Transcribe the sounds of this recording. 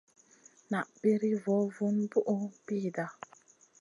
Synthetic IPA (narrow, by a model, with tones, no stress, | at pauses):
na˨ʔbi˦ɾi˦vɔ˨˦vu˦nbu˦ʔo˦biː˦˨da˨